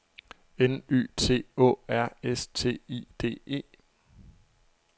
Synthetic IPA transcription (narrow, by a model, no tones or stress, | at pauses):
eny̰ːt͡sʰe̝̰ːɔ̰ːæɐ̰est͡sʰe̝̰ːḭːd̥e̝̰ːe̝̰ː